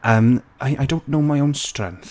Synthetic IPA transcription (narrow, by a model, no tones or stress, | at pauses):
ʔəm | ajʔajdõnːnoʊmaɪoʊnstrɛ̰̃ŋθ